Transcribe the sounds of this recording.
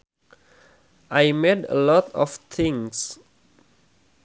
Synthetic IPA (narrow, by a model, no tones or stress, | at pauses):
ʔajmedə̰lɔtɔft̪ʰɪ̃ŋs